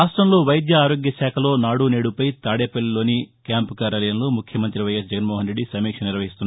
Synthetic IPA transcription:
aːsʈɾɐmlo̞ːʋɐjɐd̪jɐaːɾoːɡjɐʃaːkʰɐlo̞ːnaːɽuneːɽupɐjt̪aːɽeːpɐlːilo̞ːnikʲaːmpukaːɾjaːlɐjɐmlo̞ːmukʰjɐmɐnt̪ɾiʋɐjes̬d͡ʒɐɡɐnmɔːɦɐnɾe̞ɖːisɐmiːkʂɐniɾʋɐɦist̪unː

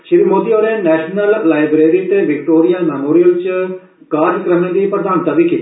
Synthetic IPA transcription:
ʃɪɾiːmoːd̪iːoːɾeːnɛːʃnəllaːɪbɾeːɾiːt̪eʋɪkʈoːɾijaːmɛːmoːɾijəlt͡ʃ | kaːɾd͡ʒkəɾənːeːd̪iːpɾəd̪aːnt̪aːʋiːkit̪ː

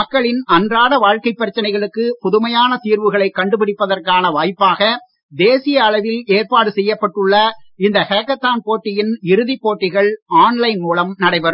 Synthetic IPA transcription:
mɐkːɐɭɪnɐndraːɽɐʋaːɻkɐɪpːɐɾɐt͡ʃːɐnɐɪɣɐɭɯkːɯpɔðɯmɐjaːnɐt̪iːɾʋɯɣɐɭɐɪkːɐɳɖɯpɪɽɪpːɐðɐrkaːnɐʋaːjpːaːɣɐ | d̪eːsɪjɐːɭɐʋɪleːrpaːɽɯsɛjːɐpːɐʈːɯɭːɐɪnd̪ɐheːkːɐt̪ːaːnpoːʈːɪjɪnɪɾɯðipːoːʈːɪɣɐɭaːnlɐɪnmuːlɐmnɐɽɐɪʋɐɾɯm

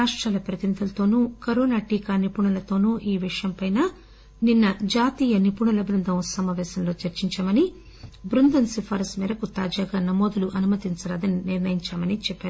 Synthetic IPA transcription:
aːʂʈɾaːlɐpɾɐt̪inid̪ʱɐlɐt̪o̞ːnuːkɐɾoːnaːʈiːkaːnipuɳɐlɐt̪o̞ːnuːʔiːʋiʂɐjɐmpɐjnaː | ninːɐd͡ʒaːt̪iːjɐnipuɳɐlɐbɾund̪ʱɐmsɐmaːʋɛːsɐmlo̞ːt͡ʃɐɾt͡ʃiɲt͡ʃaːmɐni | bɾund̪ɐnsipʰaːɾɐsmiːɾɐkut̪aːd͡ʒaːɡaːnɐmo̞ːd̪uluʔɐnumɐt̪iɲt͡ʃɐlɐːd̪ɐniniɾnɐjiɲt͡ʃaːmɐnit͡ʃɛpːaːɾu

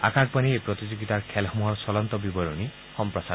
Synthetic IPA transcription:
a̰kaɡ̚paniepɾɔt̪id͡ʒoɡit̪aɾkʰelɦmuɦɔɾsɔlɔnt̪ɔbibɔɾɔni | xɔmpɾɔsa

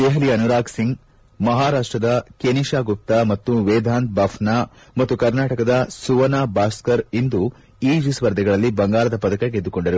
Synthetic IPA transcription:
d̪eːɦɐliɐnuɾaːɡsiŋɡ | mɐɦaːɾaːʂʈɾɐd̪ɐkeniʃaːɡup̚t̪amɐt̪ːuʋeːd̪ʱaːnt̪̚bɐfna | mɐt̪ːukɐɾnaːʈɐkɐd̪ɐsuʋɐnaːbaːskɐɾind̪u | iːd͡ʒisʋɐɾd̪ʱɛɡɐɭɐlːibɐŋɡaːɭɐd̪ɐpɐd̪ɐkɐɡed̪ːukoɳɖɐɾu

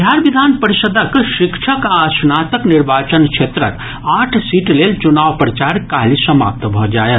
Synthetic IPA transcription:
d̪ʱjaɾbid̪ʱanpəɾisəd̪ʱəkʃikt͡ʃʰəkaːsnat̪əkniɾbat͡ʃənkt͡ʃʰet̪ɾə̰k | aʈʰsiʈlelt͡ʃunaʋpɾət͡ʃaɾkaɦlisəma̰p̚t̪bʱɔd͡ʒaet̪

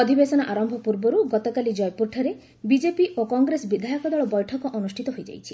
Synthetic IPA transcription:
ɔd̪ʱibesɔnaʔaɾɔmbʱɔpuɾbɔɾuɡɔt̪ɔkalid͡ʒɔjpuɾʈʰɔɾe | bid͡ʒepiʔokɔŋɡɾesbid̪ʱajɔkɔd̪ɔɭɔbɔjʈʰɔkɔʔɔnusʈʰit̪ɔɦojd͡ʒa̰jt͡ʃʰi

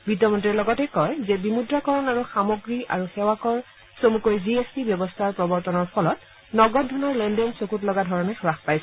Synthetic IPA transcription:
b̥itɔmɔntiɛlɔɡɔtɛkɔjzɛbimudɹakɔɹɔnaɹuxamoɡɹia̰ɹuxɛwakɔɹ | somukojziespibjɔbɔstʰaɹpɹɔbɔɹtɔnɔɹpʰɔlɔt̚ | nɔɡɔt̚dʱɔnɔɹlɛndɛnsokutlɔɡadʱɔɹɔnɛxɹaxpajsɛ

